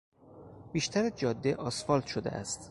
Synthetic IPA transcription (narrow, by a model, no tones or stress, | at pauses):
b̥iːʃt̪ʰæɾæd͡ʒɒːd̪ːeʔɒsfɒːlt̪ʃod̪ḛʔæ̰st̪